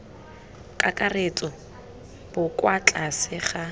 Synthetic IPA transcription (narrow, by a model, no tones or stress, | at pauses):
kʼakʼaret͡sʼɔ | b̥ʊkʼwat͡ɬʼasɪχa